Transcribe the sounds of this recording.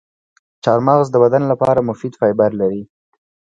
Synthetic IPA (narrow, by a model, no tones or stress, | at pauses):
t͡ʃɑɾmɑɣzd̪əbad̪anlapɑɾamʊfid̪fɑjbaɾlaɾi